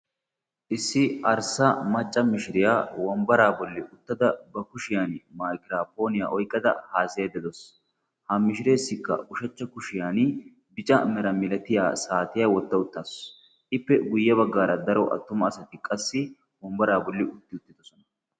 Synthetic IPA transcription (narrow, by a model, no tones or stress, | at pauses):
ʔɪsːɪɐɾsɐmɐt͡ʃʼːɐmɪʃɪɾɪjaːwɔmbɐɾaːbɔlːɪʔʊt̪ːɐd̪ɐbɐkʊʃɪjaːnmaːkɪɾaːpo̞ːnɪja̰ʔɔjkʼːɐd̪ɐ̰haːsɪjɐd̪ɛd̪ɔs | hɐmɪʃɪɾe̞ːsːɪkːɐ̰ʊʃɐt͡ʃːɐkʊʃɪjaːn | bɪt͡ʃʼɐmɛɾɐmɪlɐt̪ɪja̰ːsaːt̪ɪjawɔt̪ːɐʊt̪ːaːs | ɪpːɛɡʊjːɐβɐɡːaːɾɐd̪ɐɾɔʔɐ̰t̪ːʊmɐːsɐt̪ɪkʼɐsːɪ | wɔmbɐɾaːbɔlːɪʊt̪ːɪʊt̪ːɪd̪ɔsɔnɐ̥